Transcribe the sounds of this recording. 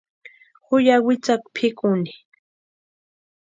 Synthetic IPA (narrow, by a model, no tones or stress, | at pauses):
hʊjawɪt͡sak̚pʰɪkʊni̥